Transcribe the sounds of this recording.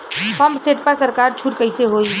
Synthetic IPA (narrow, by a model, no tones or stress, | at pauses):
pəmbseʈ̚pasəɾkaɾt͡ʃʰuʈkəɪseɦoi